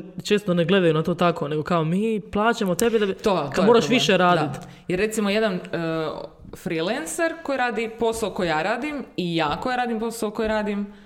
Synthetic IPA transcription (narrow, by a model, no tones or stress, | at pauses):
t͡ʃeːst̪oneɡle̞d̪ajunat̪o̞ːt̪akone̞ɡokaomiːplˠaːt͡ʃamot̪e̞bid̪at̪okaomoɾaʃʋiʃeɾaːd̪it̪ | jeɾːe̞t̪simoje̞d̪an | fɾilenseɾko̞jiɾaːd̪ipo̞saoko̞jjaːɾaːd̪imijaːkojɾaːd̪impo̞saoko̞jɾaːd̪im